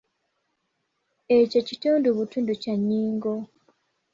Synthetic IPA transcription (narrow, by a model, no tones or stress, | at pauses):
eco̞cituːnduβutuːnducaɲːiːŋɡo̞